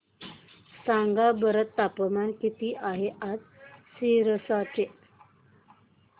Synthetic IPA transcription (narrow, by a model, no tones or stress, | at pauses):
saŋɡabəɾət̪ːapəmankit̪iːʔaɦeʔad͡zsiɾəsat̪e